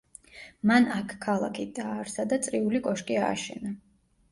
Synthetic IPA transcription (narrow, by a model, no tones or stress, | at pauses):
manakʰkʰalˠa̰kʰid̪aːɾsad̪asʼɾiulikʼɔʃkʼia̰ːʃɛ̰na